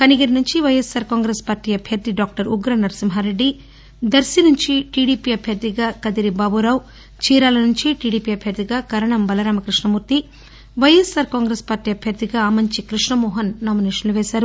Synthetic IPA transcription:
kɐniɡiɾinuɲt͡ʃiʋɐjesaːɾkaːŋɡɾeːspaːɾʈiːɐbʱjɐɾd̪iɖaːk̚ʈɐɾuɡɾɐnɐɾsimɦaːɾe̞ɖːi | d̪ɐɾsjɐnuɲt͡ʃiʈiːɽiːpiːɐbʱjɐɾd̪iɡaːkɐd̪iɾibaːbuɾaːw | t͡ʃiːɾaːlɐnuɲt͡ʃiʈiːɽiːpiːɐbʱjɐɾd̪iɡaːkɐɾɐɳɐmbɐlɐɾaːmɐkɾiʂɳɐmuːɾt̪i | ʋɐjesaːɾkaːŋɡɾeːspaːɾʈiːɐbʱjɐɾd̪iɡaːmɐɲt͡ʃikɾiʂɳɐmɔːɦɐnːaːmineːʂɐnluʋɛːʃaːɾu

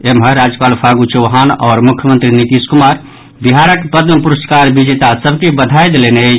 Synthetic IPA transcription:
emɦəɾad͡ʒəpaːlpʰaɡut͡ʃoɦaːnɔːɾmʊkʰjəmənt̪ɾinit̪iskumaːɾ | biɦaɾəkpəd̪məpuɾəsʈkaɾbid͡ʒet̪asəbʱkebəd̪ʱajd̪elene

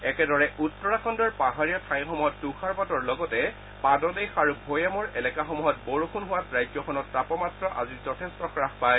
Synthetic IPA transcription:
ɛkɛdɔɹɛʔutːɔɹaxʰɔndɔɹpaɦaɹijɔtʰaj̃xɔmuɦɔtːuxʰaɹpatɔɹlɔɡɔtɛ | padɔdejxaɹubʱojamɔɹɛlɛkaxɔmuɦɔt̚boɹukʰunɦʊwatɹajzɔxʰɔnɔtːapɔmatɹɔʔa̰zizɔtʰestɔxɹaxpaj

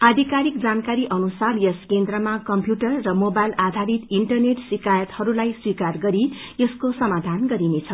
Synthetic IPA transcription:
ad̪ʱikaɾik̚d͡zankaɾiʔʌnusarjʌskend̪rʌmakʌmpjuʈʌrːʌmobajlad̪ʱaɾit̪iɳʈʌrneʈsikajʌt̪hʌɾulajswikarɡʌɾi | jʌskosʌmad̪ʱanɡʌɾinet͡sʰʌ

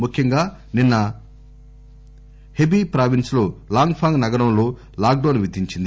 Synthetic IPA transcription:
mukʰjɐŋɡaː | ninːɐ | hebipɾaːʋinslo̞ːlaːŋɡpʰaːŋɡnɐɡɐɾɐmlo̞ː | laːk̚ɖɐːnʋid̪iɲt͡ʃind̪i

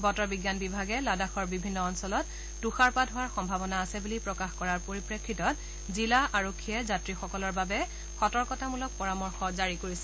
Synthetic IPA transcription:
bɔtɔbiɡjanbibʱaɡɛladaxɔɹbibʱinːɔːnsɔlɔt | duxaɹpatɦʊwaɹxɔmbʱabɔnaːsɛbulipɹɔkaxkɔɹaɹpoɹipɹekʰːitɔt̚ | zilaʔaɹokʰːiɛzatɹixɔkɔlɔɹbabɛ | xɔtɔɹkɔtamulɔk̚pɔɹamɔɹxɔzaɹikoɹisɛ

